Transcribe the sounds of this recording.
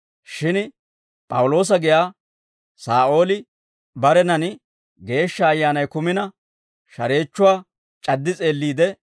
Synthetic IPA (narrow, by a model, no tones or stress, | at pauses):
ʃɪn | pʼɐwʊlo̞ːs̬ɐɡɪjaː | saːʔo̞ːlɪ | bɐɾɛnɐnɪ | ɡe̞ːʃːɐːjːaːnɐjkʊmɪnɐ | ʃɐɾe̞ːt͡ʃːʊwaː | t͡ʃʼɐd̪ːɪt͡sʼe̞ːlːiːd̪ɛ